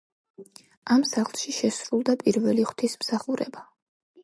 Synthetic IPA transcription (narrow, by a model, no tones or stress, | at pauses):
amsaχlˠʃiʃɛsɾulˠd̪apʼiɾvɛliχwt̪ʰismsaχuɾɛ̰ba